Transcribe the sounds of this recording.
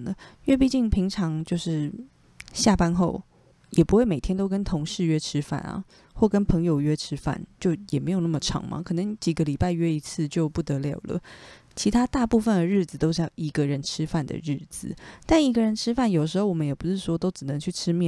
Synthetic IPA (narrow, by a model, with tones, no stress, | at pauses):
lə˦ɥɛ˥˧p̬i˥˧t͡ɕi˥˩ŋpʰi˧˥ŋʈ͡ʂʰɑ˧˥ŋt͡ɕjo˥˧ʊʂɻ̩˥˩ | ɕja˥˩pa˥nxo˥˩ʊ | jɛ˨˩pu˧˥xwe˥˩ɪme˨˩ɪt̪ʰjɛ˥nt̪o˥ʊkə˥nt̪ʰo˧˥ŋʂɻ̩˥˧ɥɛ˥ʈ͡ʂʰɻ̩˥fa̰˥˩nɐ̰˨˩ | xwɔ˥˩kə˥npʰɤ˧˥ŋjo˨˧ʊɥɛ˥ʈ͡ʂʰɻ̩˥fa̰˥˩nt͡ɕjo˥˩ʊjɛ˨˩me˧˥ɪo˨˩na˥˩mə˩ʈ͡ʂʰɑ̰˧˥ŋma̰˨kʰɤ˨˩nɤ˧˦ŋt͡ɕi˨˩ɡə˦li˨˩pa˥˧ɪɥɛ˥i˧˥t͡sʰɹ̩˥˧t͡ɕjo˥˧ʊpu˥˩t̪ɤ˧˥ljɑ˨˩ʊlə̰˦t͡ɕʰi˧˥t̪ʰa˥t̪a˥˧pu˥˩fə˨˩nd̪ə˩ɻɻ̩˥˩d͡z̩˨˩t̪o˥ʊʂ̩˥˩ji˧˥ɡə˧ɻə˧˥nʈ͡ʂʰɻ̩˥fa˥˩nd̪ə̰˩ɻ̩˥˩d͡zɹ̩˨˩t̪a˥˩ni˧˥ɡə˧ɻə˧˥nʈ͡ʂʰɻ̩˥fa˥˩njo˨˩ə˩ʂɻ̩˧˥xo˥˩wɔ˨˩ə˦njɛ˨˩pu˧˥ʂɻ̩˥˩ʂwɔ˥t̪o˥ʊʈ͡ʂɻ̩˨˩nɤ˧˦ŋt͡ɕʰy˥˩ʈ͡ʂʰɻ̩˥mjɛ˥˨